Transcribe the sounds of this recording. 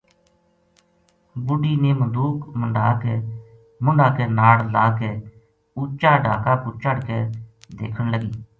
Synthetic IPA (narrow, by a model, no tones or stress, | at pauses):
bʊɖiːneːməd̪uːkməɳɖaːkeː | mʊɳɖaːkeːnaːɽlaːkeː | ʊt͡ʃːaːɖaːkaːkʊːt͡ʃəɽkeːd̪ḛːkʰəɳləɡiː